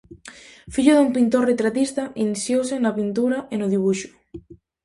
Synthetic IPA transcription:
fiʎoðumpint̪oret̪ɾat̪ist̪aʔinisjowsenlapint̪uɾaʔenoðiβ̞uʃu̥

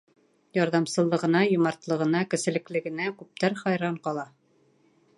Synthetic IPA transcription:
jɑɾðɑmsɤ̆lˠːɤ̆ʁɤ̆nɑjŏmɑɾt̪lˠɤ̆ʁɤ̆nɑkɘ̆sɘ̆lɘ̆klɘ̆ɡɘ̆nækʉp̚t̪æɾχɑjɾɑɴqɑlˠɑ

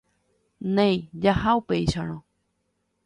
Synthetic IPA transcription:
nẽj̃d͡ʒahaupeiʃaɾ̃õ

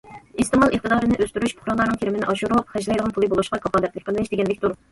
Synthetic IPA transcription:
ist̪ɨmɑlˠəχt̪ɨd̪ɑːɾɨnɨʔøst̪yɾyʃpʰʊ̥χɾɑʁlˠɑɾnɨŋkʰʲeɾɪmɪnɪʔɑʃuɾuwɑp̚χɛd͡ʒlˠɛjd̪əʁɑnpʰʊlˠɨbolˠuʃqɑkʰɑpɑːd̪ɛt̪lɪkʲqʰəllɪʃd̪eɡʲɛnlːɪkʲt̪ʰuɾ

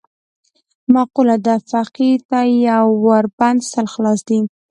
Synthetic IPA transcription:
maqulad̪afaqit̪ajawːaɾband̪salxlɑsd̪i

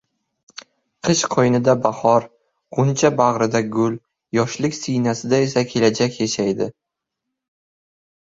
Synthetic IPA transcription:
qʰɨʃqʰɒjnɪd̪abahɒɾ | qʊnt͡ʃʰabaʁɾɪd̪aɡʊl | jɒʃlɪkʲsijnasɪd̪ae̞sakʲʰe̞lad͡ʒakʲjaʃajd̪ɪ

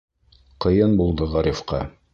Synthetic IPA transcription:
qɤ̆jɤnbulˠd̪ɤʁɑɾifqɑ̰

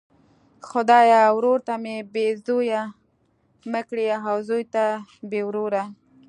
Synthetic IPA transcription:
xʊd̪ɑjawɾoɾt̪amebezoja | məkɽiaɦawzojt̪abewɾoɾa

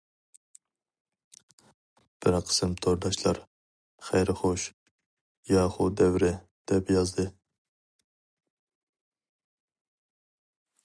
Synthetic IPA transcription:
b̥ɪɾɑqʰɨ̥sɪmt̪ʰoɾd̪ɑʃlɑɾ | χɛjɾχoʃ | jɑːχʊd̪ɛwɾɪ | d̪̥ɛbjɑzd̪ɪ

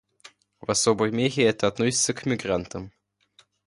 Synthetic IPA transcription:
vɐsobəjmʲeɣʲɪɛt̪əɐt̪nosʲɪ̥t̪səkmʲɪɡɾant̪əm

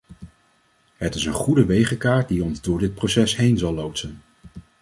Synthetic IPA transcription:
ɦətɪsənχudəʋejχəkaːɹt̚diɔnzdʊːɹdɪt̚prowsɛsɦejnzɑlːowtsən

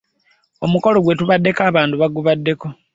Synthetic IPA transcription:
o̞muko̞lo̞ɡwe̞tuβadːe̞kaːβaːnduβaɡuβadːe̞ko̞

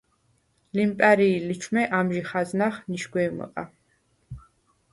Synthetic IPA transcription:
limpʼɛɾiːlit͡ʃʰmɛʔamʒiχaznaχniʃɡʷwɛːmɔ̰qʼa

